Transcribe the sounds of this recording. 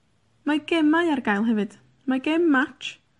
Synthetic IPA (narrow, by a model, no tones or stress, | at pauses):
maɡɛmajarɡajlˠɦɛvɨd̥ | maɡɛmːat͡ʃʰ